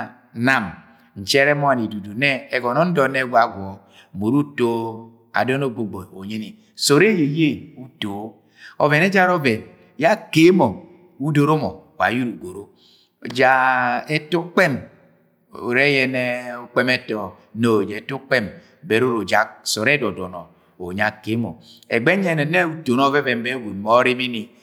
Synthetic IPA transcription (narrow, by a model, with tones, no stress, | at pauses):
na˦˨m | n̩˨t͡ʃɛ˦ɾɛ˦mɔ˦a˨ni˨du˨du˨nɛ˦e˨ɡɔ˨nɔ˦n̩˦dɔ˨˦ne˦ɡʷa˦˨ɡʷɔ˨ | mo˨ɾu˦to˦ | a̰˨dɔ˦no˦˨ɡ͡bo˨ɡ͡bo˨o˨ɲe˦ni˨ | so˨ɾe˦je˨je˦˨u˦to˨˦ | o˨ve˨ne˦d͡ʒa˦ɾo˦be˨n | ja˦ke˦mo˨ | u˦do˨ɾo˦mɔ˨wa̰˨ju˦ɾu˨ɡo˨ɾo˦˨ | d͡ʒa˨e˦tu˦k͡pe˦m | o˨ɾe˦jɛ˨ne˦o˦k͡pe˦me˦tɔ˨ | no˨d͡ʒe˨tu˦k͡pe˦m | be˨ɾo˦ɾo˨d͡ʒa˨so˨ɾe˦dɔ˨dɔ˨nɔ̰˨ | o˨ɲa˨ke˨˦mo̰˨ḛ˨ɡ͡be˦ɲe˦ne˨ne˦u˦to˨no˦ve˦bɛ˨mbe˦wu˨n˨mo˨˦ɾi˦mi˦ni˨